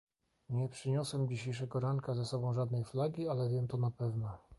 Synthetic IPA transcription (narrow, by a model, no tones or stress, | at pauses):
ɲɛpʂɘɲɔswɛmd͡ʑiɕejʂɛɡɔɾaŋkazasɔbɔ̃w̃ʐad̪nɛjflaɡʲialɛvʲjɛmt̪ɔnapɛvnɔ